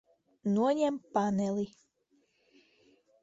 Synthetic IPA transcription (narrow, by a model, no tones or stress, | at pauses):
nuɔɲɛmpanɛli